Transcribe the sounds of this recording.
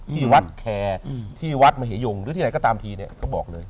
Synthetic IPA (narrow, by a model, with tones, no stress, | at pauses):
t̪ʰiː˥˩wa˦˥t̪̚kʰɛː˧t̪ʰiː˥˩wa˦˥t̪̚maː˧ɦeː˩˦jo˧ŋɾɯː˦iː˥˩a˨˦jkɔː˥˩t̪aː˧mt̪ʰiː˧ni˥˩ɐkɔː˥˩bɔː˨˩k̚lɤː˧j